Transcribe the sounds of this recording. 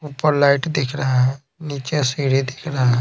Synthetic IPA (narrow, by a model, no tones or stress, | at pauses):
uːpəɾlaɪʈd̪ekʰɾəɦaɦɛ̃ | niːt͡ʃesiːɽed̪eːkʰɾɐɦaɦɛ̃